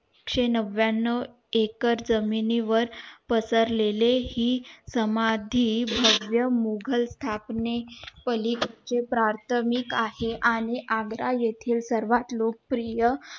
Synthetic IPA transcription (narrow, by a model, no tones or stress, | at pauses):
kʂenəʋjanːə | ekəɾd͡zəminiʋəɾpəsəɾlelehiːsəmad̪ʱiːbʱəʋjəmuɡʱəlst̪ʰapnepəlikt͡ɕepɾaɾt̪ʰəmikaheʔaɽ̃iʔaɡɾajet̪ʰiːlsəɾʋat̪lok̚pɾijə